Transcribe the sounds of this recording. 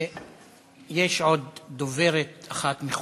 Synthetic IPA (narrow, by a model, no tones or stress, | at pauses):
jeʃo̞d̪̚ːoveɾet̪aχat̪miχ